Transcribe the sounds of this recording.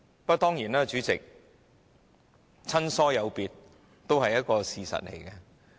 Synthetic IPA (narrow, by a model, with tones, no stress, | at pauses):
pɐ˥t̪ɔː˥ŋjiː˨˩naː˥t͡ʃyː˨˥t͡sɪ˨k̚ | t͡sʰɐ˥nsɔː˥jɐ˨˧wpiː˨˧t̚ | t̪o˥whɐ˨jɐ˥t̚kɔː˧siː˨sɐ̰˨t̚lḛ˨˩jkɛ˧